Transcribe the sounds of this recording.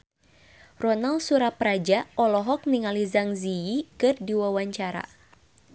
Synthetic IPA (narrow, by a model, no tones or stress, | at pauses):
rɔnalsuɾapɾad͡ʒaɔlɔɦɔk̚niŋalizaŋziikɨrdiwawaɲt͡ʃaɾa̰